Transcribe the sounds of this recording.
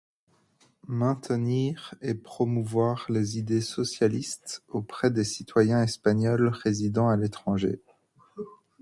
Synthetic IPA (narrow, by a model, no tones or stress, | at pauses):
mɛ̃t̪niʁepχɔmuvwaʁlezid̪esɔsjalist̪opχɛd̪esit̪wajɛ̃ɛspaɲɔlʁezid̪ɑ̃alet̪χɑ̃ʒḛ